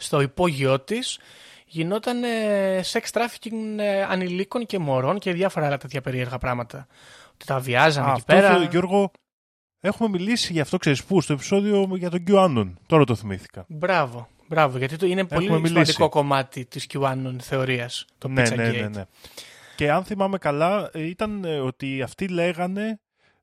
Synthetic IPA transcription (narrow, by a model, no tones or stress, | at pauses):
st̪o̞ipo̞ʝio̞t̪is | ʝino̞t̪ɐnesekst̪ɾɐfi̥cinɐniliko̞nce̞mo̞ɾo̞nceðʝɐfo̞ɾɐlɐt̪e̞t̪çɐpe̞ɾie̞ɾɣɐpɾɐɣmɐt̪ɐ | ot̪i̥t̪ɐviɐzɐneipeɾɐot̪oʝo̞ɾɣo̞ | e̞xume̞milisiʝɐːft̪o̞kse̞ɾispust̪o̞epi̥so̞ðio̞ʝɐt̪o̞ɲɟuɐnont̪o̞ɾɐt̪oθimiθi̥kɐ̰bɾɐvo̞ | bɾɐvoʝɐt̪iinepeolimemilisd̪iko̞ko̞mɐt̪it̪iscuɐnonθe̞o̞ɾiɐst̪onpniesɐneinene̞ce̞ɐnθimɐme̞kɐlɐit̪ɐno̞t̪iɐft̪ile̞ɣɐne̞